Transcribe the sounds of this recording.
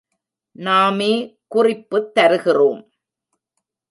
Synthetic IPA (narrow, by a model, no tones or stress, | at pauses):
naːmeːkʊrɪpːɯt̪ːɐɾɯɣɪroːm